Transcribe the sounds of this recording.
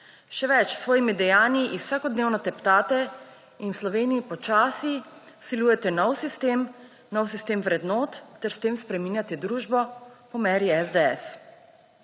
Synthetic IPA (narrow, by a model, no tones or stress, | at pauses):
ʃɛʋɛt͡ʃsʋɔːjimid̪ɛjaːniʔiwsaːkɔd̪neːwnɔt̪ɛpt̪aːt̪ɛ | inwslɔʋeːnijipɔt͡ʃaːsi | siluːjɛt̪ɛnɔwsist̪eːm | nɔwsist̪eːmʋɾɛd̪nɔːt̪ːɛɾst̪eːmspɾɛmiːnjat̪ɛd̪ɾuːʒbɔpɔmɛɾjiɛzd̪ɛɛs